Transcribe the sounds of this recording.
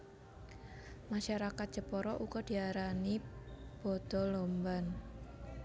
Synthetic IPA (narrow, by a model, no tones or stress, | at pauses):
maʃaɾakat̪̚dʒ̥ə̤pɔɾɔʔukɔd̪̥i̤aɾanib̥ɔ̤d̪̥ɔ̤lomban